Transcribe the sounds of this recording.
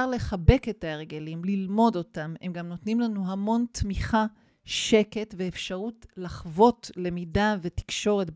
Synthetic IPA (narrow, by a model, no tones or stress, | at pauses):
aʁle̞χabe̞ke̞taeʁɡe̞limlilmo̞do̞tame̞mɡamno̞tnimlanuɦamo̞ntmiχa | ʃe̞ke̞tveefʃaʁutlaχvo̞tle̞midave̞ti̥kʃo̞ʁe̞t